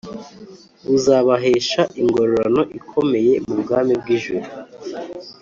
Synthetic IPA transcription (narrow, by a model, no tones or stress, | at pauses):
uzaːβaɦeːʃaʔiŋɡo̞ɾoɾano̞ʔikʰo̞me̞je̞mubɡaːmib̚ɡiːʒuɾu